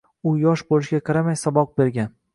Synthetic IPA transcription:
ʊjɒʃbolˠɪʃɡʲaqʰɑɾamajsɒbɒq̚be̞ɾɡʲan

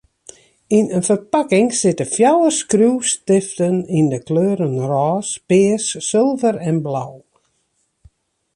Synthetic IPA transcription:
inənfərpakɪŋsɪtəfjawəskruːstɪftənindəkløːɾənrɔːspɪːsːɪlˠvəɾɛnblaw

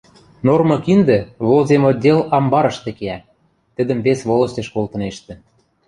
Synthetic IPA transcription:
normɤ̆kind̪ĕβolzemod̪ʲelɑmbɑɾɤ̆ʃt̪ĕkeæ | t̪ə̆d̪ə̆mβesβolˠɤ̆st̪ʲeʃkolˠt̪ɤ̆neʃt̪ĕ

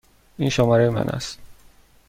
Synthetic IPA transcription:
inʃomɒːɾejemæ̰nʔæ̰st̪

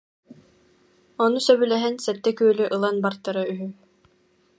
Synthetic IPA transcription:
ɔnusœbylɛɦɛnsɛt̪ːɛkyːlyʔɯlˠanbaɾt̪ːaɾayɦy

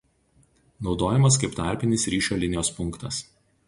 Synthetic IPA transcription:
nɒʊd̪oːjɛmɐskɐɪpt̪ɑˑɾʲpʲɪnʲɪsɾʲiːʃʲoːlʲɪnʲɪjoːspʊŋˑkt̪ɐs

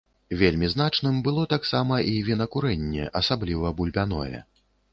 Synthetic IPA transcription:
vʲelʲmʲiznat͡ʂnɨmbɨlˠɔt̪aksamɐʔivʲinɐkuɾɛnʲːɛ̰ʔɐsablʲivɐbulʲbʲanɔ̰jɛ̰

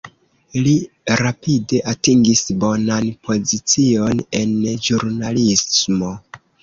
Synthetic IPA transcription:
li | ɾapide̞ʔatiŋɡisbo̞nanpʰo̞zit͡sio̞ne̞nd͡ʒuɾnalismo

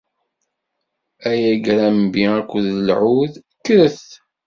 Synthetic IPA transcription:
æjæɡɾæmbiækʷːðəlʕuð | kːɾəθ

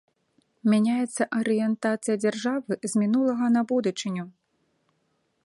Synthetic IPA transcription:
mʲanʲajɛt̪sːɐʔɐɾɨjɛnt̪at̪sɨjɐd͡zʲarʐavɨzmʲinulˠɐɣɐnɐbud̪ut͡ʂɨnʲu

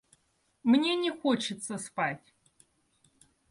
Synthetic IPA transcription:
mnʲenʲɪxot͡ʃɪt̪sʰəspatʲ

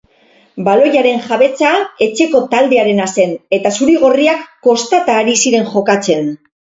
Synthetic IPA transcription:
balo̞ʝaɾe̞nʝaβe̞t͡sae̞t͡ʃe̞ko̞t̪ald̪e̞aɾe̞nase̞ne̞t̪asuɾiɣ̞o̞riakːo̞st̪at̪aːɾisiɾe̞ŋʝo̞kat͡se̞n

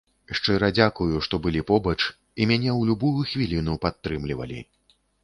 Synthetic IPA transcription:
ʂt͡ʂɨɾɐd͡zʲakujuʂt̪ɔbɨlʲipɔbɐt͡ʂ | imʲanʲɛwlʲubujuxvʲilʲinupat̪ːɾɨmlʲivɐ̰lʲḭ

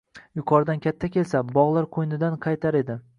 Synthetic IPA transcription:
jʊqʰɒɾd̪ankʲʰat̪ʰːakʲe̞lsabɒʁlˠaɾqʰojnɪd̪anqʰɑjt̪ʰaɾe̞d̪ɪ

